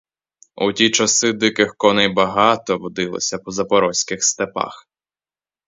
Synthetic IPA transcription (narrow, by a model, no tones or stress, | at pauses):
ṵtʲit͡ʃɐsɪd̪ɪkɪxkɔnɛjbɐɦɑt̪ɔʋɔd̪ɪlˠɔ̰sʲɐpɔzɐpɔɾɔsʲkɪxst̪epɑ̰x